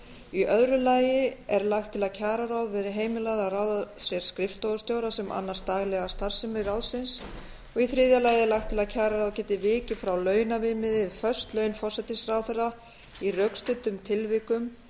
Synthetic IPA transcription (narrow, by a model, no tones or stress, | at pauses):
iʔœðɾʏlaːjɪɛɾlaxt̪ʰːɪlaðcʰaːɾaɾawðvɛːðɾɪɦeːjmɪlaðaraːwðasjɛɾ̥skɾɪft̪owɣʏst̪jowɾasɛmʔa̰nːaɾ̥st̪aːɣlɛɣast̪ar̥sɪmɪɾɾawlsɪns | ɔɣiθɾɪːðjalaːjɪɛlaxt̪ʰːɪlaðcʰaːɾaɾawðcɛːt̪ɪvɪːcɪfɾawlœːɥnavɪːmɪðɪfœ̥st̪lœːɥnfɔr̥sɛt̪ɪsrawθɛrːa | irœkst̪ʏt̪ːʏmt̪ʰɪlvɪkʏm